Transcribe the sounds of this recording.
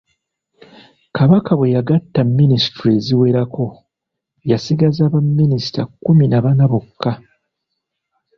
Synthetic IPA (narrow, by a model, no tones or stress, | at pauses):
kʰaβakawe̞jaɡatːamːinisi̥tuɾieziwe̞ɾakʰo̞ | jasiɡazaβamːinisi̥ta̰kːuminaβanaβo̞kʰːa